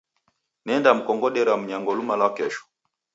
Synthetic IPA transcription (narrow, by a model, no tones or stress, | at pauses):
nɛndam̩kɔŋɡɔɗɛɾam̩ɲaŋɡɔlumalakɛʃɔ̥